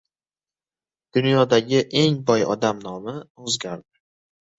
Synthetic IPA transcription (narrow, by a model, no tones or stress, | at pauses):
d̪̥ʊnjɒd̪aɡʲɪʔe̞ŋbɒjɒ̰d̪amnɒmɪozɡʲaɾd̪ɪ